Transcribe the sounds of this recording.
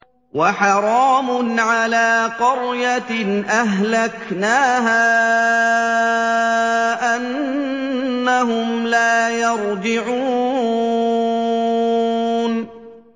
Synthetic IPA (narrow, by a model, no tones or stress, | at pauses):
waħɑɾˤɑːmʊnʕalaːqɑɾjaʔaɦlaknaːɦaː | ʔanː | aɦʊmlaːjɑɾˤd͡ʒɪʕuː | n